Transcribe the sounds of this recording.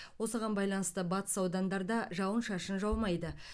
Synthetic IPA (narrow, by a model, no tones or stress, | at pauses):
wo̞səʁɑnbɑjlˠɑnəst̪əbɑt̪ə̥sɑwd̪ɑnd̪ɑɾd̪ɑʒɑwənʃɑʃənʒɑlˠmɑjd̪ə